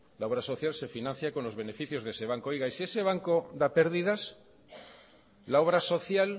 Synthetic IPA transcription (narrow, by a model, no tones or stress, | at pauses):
lao̞βɾaso̞θjalse̞finãn̟θjako̞nlo̞zβe̞ne̞fiθjo̞zðese̞β̞aŋkojɣaisie̞se̞β̞aŋko̞ðape̞ɾðiðas | lao̞β̞ɾaso̞θjal